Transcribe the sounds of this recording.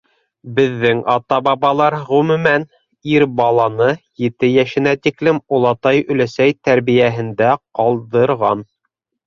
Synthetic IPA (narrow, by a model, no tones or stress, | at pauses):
bɘ̆ðːɘŋɑt̪ɑbɑβɑlˠɑɾʁɵmʉ̆mæn | iɾbɑlˠɑnɤjɘ̆t̪ɘjæʃɘ̆næt̪iklɘmulˠɑt̪ɑjɵ̆læsæjt̪æɾβijæɦɘ̆nd̪æqɑlˠd̪ɤ̆ɾʁɑn